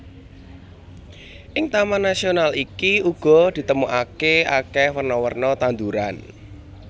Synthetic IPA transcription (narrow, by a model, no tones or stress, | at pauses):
ʔɪŋt̪amanasionalikiuɡ̥ɔ̤d̪̥i̤t̪əmuʔakeakɛhwərnɔwərnɔt̪and̪uɾan